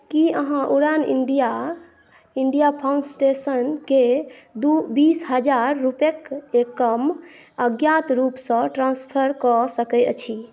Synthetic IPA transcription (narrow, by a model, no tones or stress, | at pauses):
kiəɦãʔuɾanḭɳɖija | iɳɖijapʰaũnɖsʈesənked̪ubisɦəd͡ʒaɾːupekekːəm | əɡjat̪ɾupsə̃ʈɾãnspʰəɾkɔsəkət͡ʃʰi